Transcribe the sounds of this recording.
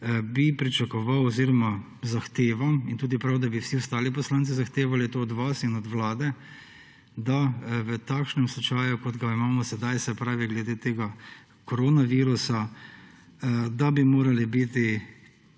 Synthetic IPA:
bipɾit͡ʃakɔʋawɔziːɾɔma | zaxt̪eːʋamint̪uːd̪ipɾawd̪abiwsiɔst̪aːlipɔslaːnt̪sizaxt̪eːʋalit̪oːd̪ʋasinɔd̪ʋlaːd̪ɛ | d̪aʋət̪aːkʃnɛmsat͡ʃaːjukɔd̪ɡaimaːmɔsɛd̪ajsɛpɾaːʋiɡlɛd̪eːt̪eːɡa | kɔɾoːnaʋiːɾusa | d̪abimoːɾalibit̪i

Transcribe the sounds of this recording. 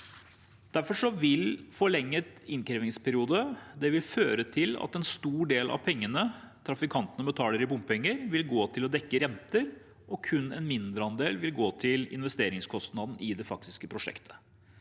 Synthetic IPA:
d̪̥æɾfɔʂɔʋɪlfɔɭɛŋːət̪ɪnkɾɛːʋɪŋspʰæɾɪuːd̪əd̪ɛʋɪlføːɾət̪ʰɪlɑ̰t̪ɛnst̪uːɖeːlʔɑ̰ʋpʰɛŋːənət̪ʰɾɑfɪkʰɑnt̪ənəbət̪ʰɑːləɾɪbʊmppɛŋːəɾʋɪlɡoːt̪ʰɪlɔd̪ɛkːəɾɛnt̪əɾ | ɔkʰʉnːɛ̰nmɪnd̪ɾəɑnd̪eːlʋɪlɡoːt̪ʰɪlɪ̰nʋɛst̪eːɾɪŋskʰɔst̪nɑd̪n̩ɪd̪ɛfɑk̚t̪ɪskəpʰɾʊʂɛ̰kt̪ʰə̥

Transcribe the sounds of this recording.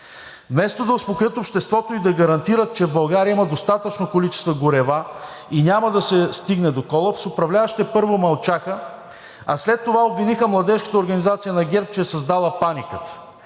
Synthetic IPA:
mɛst̪od̪ɐʊspokɾʲjət̪opʃt̪ɛst̪vɔt̪oid̪ɐɡɐɾɐnt̪iɾət̪̚t͡ʃɛvbɐlˠɡaɾiəimɐd̪ost̪at̪ət͡ʃnokolit͡ʃɛ̥st̪vɐɡʊɾɛva | inʲamɐd̪ɐsɛst̪iɡnɛd̪okɔlˠɐpsopɾɐvlʲavəʃt̪ɛpɤɾvomɐlˠt͡ʃaxə | ɐslɛt̪ːovaobvinixəmlˠɐd̪ɛʃkə̥t̪əoɾɡɐnizat̪sijənɐɡʲɛɾp̚t͡ʃɛːsɐzd̪alˠəpanikət̪

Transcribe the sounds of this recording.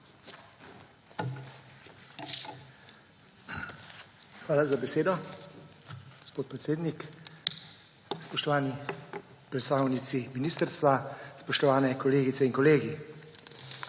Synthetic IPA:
xʋaːlazabɛseːd̪ɔ | ɡospoːt̪̚pɾɛt̪seːd̪nik | spɔʃt̪ɔʋaːni | pɾɛt̪st̪aːwnit̪siminiːst̪əɾst̪ʋaspɔʃt̪ɔʋaːnɛkɔleːɡit̪sɛiŋkɔleːɡi

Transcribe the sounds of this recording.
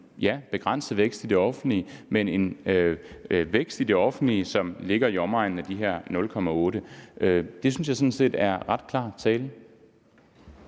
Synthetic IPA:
jæb̥e̝ɡ̥ʁɑn̰səð̩ˠʋeɡ̥sd̥id̥e̝ɒ̽fn̩liəmene̝n | ʋeɡ̥sd̥id̥e̝ɒ̽fn̩liəsɒ̽mle̝ɡ̥ɐiɒ̽mɑ̈ɪn̩æd̥iɦeɐ̰nɔ̽lkʰɒ̽mæɔ̽ːɾəʔød̥e̝s̬yns̬jɑ̈ɪsɔ̽n̩se̝̰ːd̥æɐʁɑ̈d̥kʰlɑ̰̈ːt͡sʰɛːlə

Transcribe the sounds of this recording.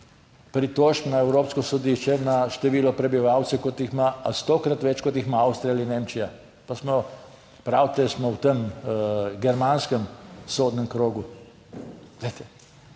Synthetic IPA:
pɾit̪oːʃpnaɛwɾoːpskɔsɔd̪iʃt͡ʃɛnaʃt̪ɛʋiːlɔpɾɛbiʋaːwt̪sɛkot̪jixmaast̪oːkɾat̪ʋɛt͡ʃkɔt̪jixmaawst̪ɾialineːmt͡ʃija | pasmɔ | pɾaːwt̪ɛsmɔwt̪əm | ɡɛɾmanskəmsoːd̪nɛmkɾoːɡu | ɡd̪ɛjt̪ɛ

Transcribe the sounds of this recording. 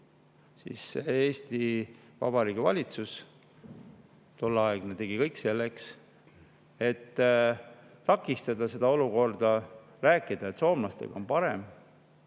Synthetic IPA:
sḭːsːeeːst̪i | vɑ̰bɑɾiːɡ̥ivɑ̰lʲit̪sus | t̪olːɑeɡ̥net̪e̞ɡikɤjkse̞lːe̞ks | e̞t̪ː | ɑkːˑist̪ɑd̪ɑse̞d̪ɑo̞luko̞rd̪̥ɑ | ræːkːˑid̪̥ɑe̞t̪so̞ːmlɑst̪e̞̰ɡ̥ɑo̞npɑɾe̞m

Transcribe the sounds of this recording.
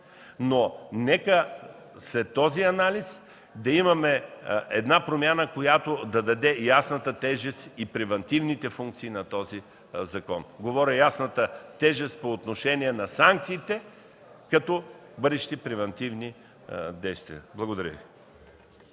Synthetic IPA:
nonɛkə | slɛt̪ːɔziɐnalʲis | d̪ɐimɐmɛʔɛd̪napɾomʲjanəkojat̪od̪ɐd̪ɐd̪ɛjasnɐt̪ət̪ɛʒɛst̪ipɾɛvɐnt̪ivnit̪ɛfuŋk̚t̪siːnɐt̪ɔzi | zɐkɔnɡovɔɾʲɐjasnɐt̪ət̪ɛʒɛst̪̚poːt̪noʃɛniɛnɐsaŋk̚t̪siːt̪ɛ | kɐt̪ɔbɤd̪ɛʃi̥t̪ipɾɛvɛnt̪ivni | d̪ɛjst̪vḭə̰blˠɐɡod̪ɐɾʲə̰vi

